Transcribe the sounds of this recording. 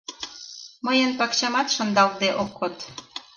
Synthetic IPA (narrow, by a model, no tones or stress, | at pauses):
məjənpɑkɕɑmɑt̪ʃə̆nd̪ɑld̪eʔokʰːot̪